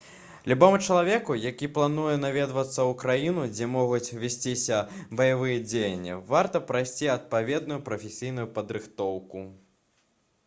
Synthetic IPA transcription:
lʲubɔmɨt͡ʂɐlˠavʲɛkujakʲiplˠanujɛnavʲɛd̪vɐt̪sːɐwkɾajinud͡zʲɛmɔɣut͡sʲvʲasʲt͡sʲisʲɐbɐjavɨjɛd͡zʲejɐnʲːḭvart̪ɐpɾajsʲt͡sʲiɐt̪̚pavʲɛd̪̚nujupɾɐfʲesʲijnujupɐd̪ɾɨxt̪ɔwku

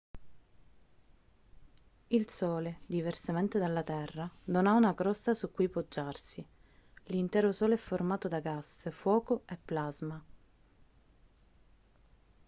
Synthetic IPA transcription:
ilsɔːled̪iversament̪ed̪alːat̪ɛrːad̪onaunaɡɾɔsːasukːujpod͡ʒːarsi | lint̪ɛːɾosɔːlɛfːormaːt̪od̪aɡasfwɔːkoepːlazma

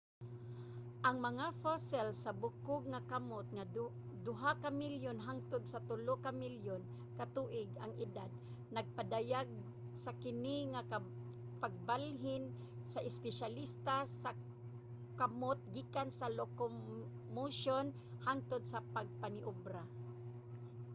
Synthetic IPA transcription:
ʔɐŋmɐŋafasɛlsabʊkʊɡ̚ŋakamot̪̚ŋa | d̪ʊɦakamiljonɦaŋt̪ʊd̪sat̪ʊlokamiljon | kat̪uʔɪɡaŋɪd̪ad̪̚ | nɐɡ̚pad̪ajaɡ̚ | sakɪnɪŋaka | paɡ̚balɦɪn | saʔɪspɛʃalɪst̪asa | kamot̪̚ɡiːkansaloko | muʃon | haŋt̪ʊd̪̚sapaɡ̚panɪʔʊbɾa

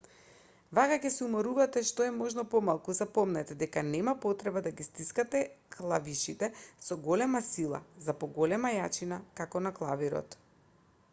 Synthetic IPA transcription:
vakakɛsɛumaɾuvat̪ɛʃt̪ɔɛmɔʒnɔpɔmalˠkuzapɔmnat̪ɛd̪ɛkanɛmapɔt̪ɾɛbad̪aɡist̪iskat̪ɛklˠaviʃit̪ɛsɔɡɔlɛmasilˠa̰zapɔɡɔlɛmajat͡ʃinakakɔnaklˠaviɾɔ̰t̪

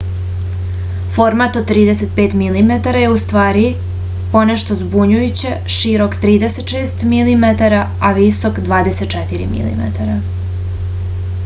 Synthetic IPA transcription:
fo̞ɾmat̪od̪̚t̪ːɾiːd̪eset̪̚peːt̪milimet̪aɾajeust̪ʋaːɾi | po̞neʃt̪ozbuɲujut͡ɕeʃiɾo̞kt̪ɾiːd̪eset̪ʃeːst̪milimet̪aɾa | aʋisokd̪ʋaːd̪e̞set̪̚t͡ʃɛt̪iɾḭmḭlḭmḛt̪aɾa

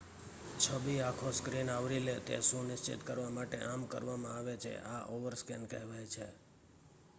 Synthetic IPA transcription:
t͡ʃʰəbiakʰoskɾinaʋɾilet̪ḛʃũnɪʃt͡ʃɪ̰t̪kəɾʋamaʈḛʔamkə̰ɾʋamãaʋet͡ʃʰḛʔaʔoʋəɾskɛnkɛɦʋajt͡ʃʰe

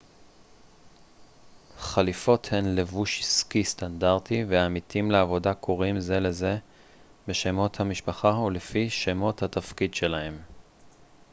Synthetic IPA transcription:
χalifo̞the̞nle̞vuʃiskistandaʁtiveamitʰimleavo̞dakʰoʁimze̞le̞ze̞ | beʃemo̞thamiʃpaχaulefiʃe̞mo̞that̪afkidʃelahe̞m

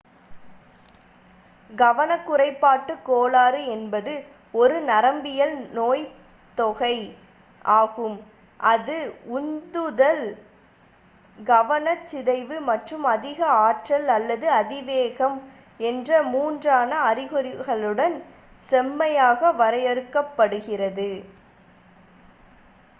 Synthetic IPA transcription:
ɡɐʋɐnɐkːʊrɐɪpːaːʈːɯkːoːlaːɾɯɛnbɐðɯ | ɔɾɯnɐɾɐmbɪjɐlnoːj | t̪ɔɣɐɪ | ʔaːɣɯm | ʔɐðɯʊnd̪ɯðɐl | ɡɐʋɐnɐt͡ʃːɪðɐɪʋɯmɐʈrɯmɐðɪɣɐaːʈrɐlɐlːɐðɯɐðɪʋeːɣɐm | ɛndrɐmuːndraːnɐːɾɪɣɯɾɪɣɐɭɯɽɐn | sɛmːɐjaːɣɐʋɐɾɐjɐɾɯkːɐpːɐɽɯɣɪrɐðɯ

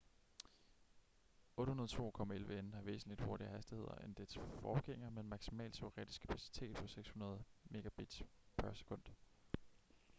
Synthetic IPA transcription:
ʔɔ̽ːd̥əhunɐð̞ˠt͡sʰo̝̰ːkʰɒ̽mæelʋəenhɑ̈ʋe̝̰ːsn̩lid̥ho̝ɐɾ̥iəɦæsd̥ihe̝ð̞ˠɐ̰ʔe̝nd̥ed̥sfɒ̰ːɡ̥eŋ̰ɐmemɑ̈ɡ̥simɛ̰ːlse̝ʁɛd̥isɡ̥kʰæpʰæsi̥t͡sʰe̝̰ːd̥̚pʰɒ̽seɡ̥shunɐð̞̩ˠme̝ɡ̥æb̥id̥pʰæɐse̥kʰɔ̽n̰d̥

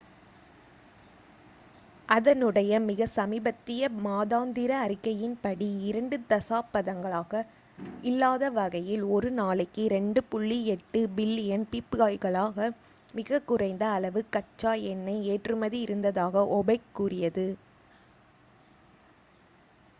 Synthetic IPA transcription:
ʔɐðɐnɯɽɐjɐmɪɣɐsɐmibɐt̪ːɪjɐmaːðaːnd̪ɪɾɐːɾɪkːɐjɪnpɐɽiɪɾɐɳɖɯt̪ɐsaːpːɐðɐŋɡɐɭaːɣɐ | ɪlːaːðɐʋɐɣɐjɪlɔɾɯnaːɭɪkːɯɾɛɳɖɯpʊɭːiɛʈːɯbɪlːɪjɐnpipːɯɣaːjɣɐɭaːɣɐ | mɪɣɐkːʊrɐɪnd̪ɐːɭɐʋɯkɐt͡ʃːaːjɛnːɐɪeːʈrɯmɐðiɪɾɯnd̪ɐðaːɣɐʔɔbɐɪkːuːrɪjɐðɯ

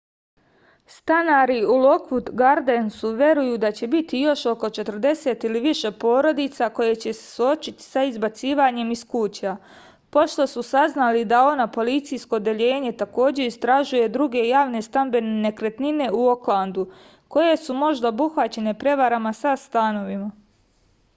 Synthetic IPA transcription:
st̪anaɾiulo̞kʋut̪ɡaɾd̪ensuʋje̞ɾujuːd̪at͡ɕe̞bit̪ijo̞ʃo̞ko̞t͡ʃe̞t̪r̩d̪e̞se̞t̪iliʋiʃe̞po̞ːɾo̞d̪it̪sako̞je̞t͡ɕe̞se̥suo̞t͡ʃit̪i̥saizbat̪siːʋaɲe̞miskut͡ɕa | po̞ʃt̪o̞susaznalid̪ao̞napo̞lit̪sijsko̞d̪e̞ʎe̞ːɲe̞t̪ako̞ːd͡ʑe̞ist̪ɾaʒuje̞d̪ɾuɡe̞jaːʋne̞st̪ambe̞nene̞kɾe̞t̪nine̞uo̞klˠand̪u | ko̞je̞sumo̞ʒd̪aobuxʋat͡ɕe̞ne̞pɾe̞ʋaɾamasast̪aːno̞ʋima

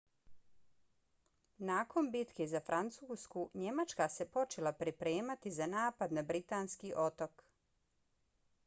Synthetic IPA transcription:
naːko̞nbit̪kezafɾʔant̪suːskuɲe̞mat͡ʃkase̞po̞t͡ʃelˠapɾipɾeːmat̪izanaːpad̪nabɾit̪aːnskiʔo̞t̪ok

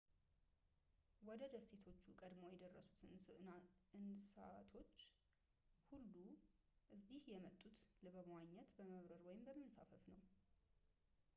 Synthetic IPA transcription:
wɔd̪əd̪əse̞t̪ʰo̞t͡ʃːukʼəd̪mo̞jɛd̪ərːəsu̥t̪ʰɨ | ɨnst̪ʰo̞t͡ʃː | hulːuʔɨzd̪ihjɛmət̪ʼːut̪lɨβəβmwaɲːɛt̪bəməβɾəɾwɔjɪmbəmːɨnsa̰fəfnəw

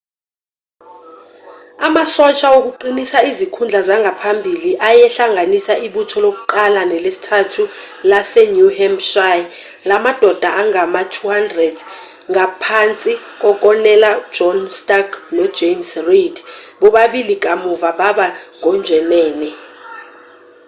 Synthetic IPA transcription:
amasɔt͡ʃʰʼaok̬uǃinisaizikʰund͡ɮʱazaŋɡʱapʰambʱiliʔajɛɬaŋʱanisaʔiɓutʰɔlok̬uǃalanɛlesi̥tʰatʰu | lasɛnuhɛmʃaj | lamad̥ʱɔd̥ʱaʔaŋamatʰuhandrɛd | ŋapʰant͡sʼi | k̬ʼɔk̬ʼɔnɛlḁd͡ʒɔnstʼaɡnɔ̥d͡ʒemsridɓɔɓaɓilik̬ʼamuvaɓaɓaŋɔnd͡ʒʱɛnɛːnɛ

